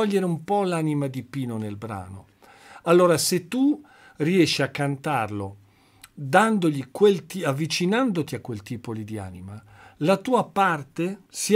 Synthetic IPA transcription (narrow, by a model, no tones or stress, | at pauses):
ɔʎːeɾeumpɔlanimad̪ipiːnonelbɾa̰ːno̰ | alːoːɾaset̪ːu | riɛʃːiakːant̪arlo | d̪and̪oʎikwelt̪iavːit͡ʃinand̪ot̪iakːwelt̪iːpolid̪ia̰ːnimalat̪uːapart̪esi